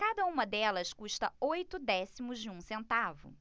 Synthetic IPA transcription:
kad̪ɐũmɐd̪ɛlɐskuʃt̪ɐojt̪ʊd̪ɛsimʊzd͡ʒɪũsẽnt̪avʊ̰

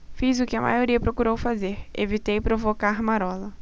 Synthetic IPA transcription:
fizʊkɪɐmʔa̰joɾiɐpɾokuɾowfazeɾḛvit̪ejpɾovokaɾmaɾɔlɐ

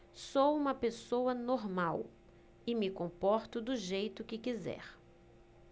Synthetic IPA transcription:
sowũmɐpesowɐnoɾmaw | ɪmɪkõpɔɾt̪ʊd̪ʊʒejt̪ʊkɪkizɛ̰ɾ

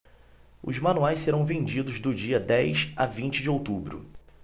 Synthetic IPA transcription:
ʊ̰zmɐ̃nuajsseɾɐ̃w̃vẽd͡ʒid̪ʊzd̪ʊd͡ʒiɐd̪ɛjsa̰vĩnt͡ʃɪd͡ʒɪowt̪ubɾʊ̰

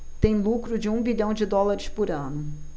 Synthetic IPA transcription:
t̪ẽj̃lukɾʊd͡ʒɪũbiʎɐ̃w̃d͡ʒɪd̪ɔlaɾɪspʊɾɐ̃nʊ

